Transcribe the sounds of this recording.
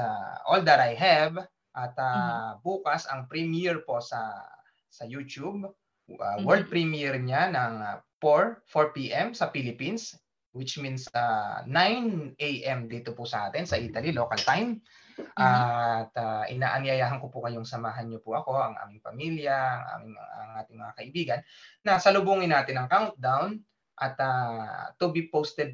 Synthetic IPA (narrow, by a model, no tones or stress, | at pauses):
ɐʔold̪ɛɾʔajɦɛv | ʔɐt̪ɐbuːkɐsɐŋpɾimɛɹpo̞sɐ | sɐjuːt͡ʃub̚ | ʔa̰wɛld̪̚pɾimiɛɹɲanɐŋpoɹfoɹpiːʔɛmsɐpilɪpins | wɪt͡ʃminsanajnʔejʔɛmd̪iːt̪opʊsɐʔaːt̪ɪnsɐʔiːt̪ɐliloːkɐlt̪ajmʔat̪ɐʔɪnaːʔɐŋjɐjaːɦɐŋkopʊkɐjoŋsɐmaːɦɐnɲopʊʔɐko̞ʔɐŋʔa̰ːmɪŋpɐmiljɐɐŋʔa̰ːmɪŋm̰ɐŋʔaːt̪ɪŋmɐŋakɐʔɪbiːɡɐnːɐsɐlʊbuːŋɪnːaːt̪ɪnːɐŋkawnt̪̚d̪awn | ʔɐt̪at̪ːʊbipowst̪ɛd̪̚